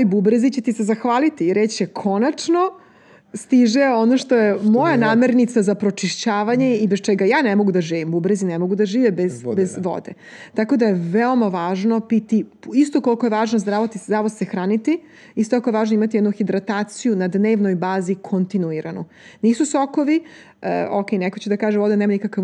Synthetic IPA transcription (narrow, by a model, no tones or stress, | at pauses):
ojbubɾezit͡ɕet̪ise̞zaxʋaːlit̪iɾet͡ɕekʰo̞nat͡ʂno̞ | st̪iʒeo̞noʃt̪o̞jemo̞janaːme̞ɾnit̪sazapɾo̞t͡ʃiʃt͡ɕaːʋaɲe̞ibest͡ʃɛɡajaːnemo̞ɡud̪aʒiːʋimbubɾezinemo̞ɡud̪aʒiːʋebezbezʋo̰d̪ḛ | t̪ako̞d̪ajeʋeo̞maʋaːʒno̞pit̪iist̪o̞kolkoje̞ʋaːʒnozd̪ɾaʋot̪iszɾaʋod̪sexɾaːnit̪i | ist̪ot̪akoeaːʒnoimat̪ijed̪nuxid̪ɾat̪aːt̪sijunad̪neːʋno̞jbaːzikʰont̪inuiɾʔanu | niːsusoko̞ʋi | ə̰okejnekot͡ɕed̪akaːʒemʋo̞d̪enemanikaka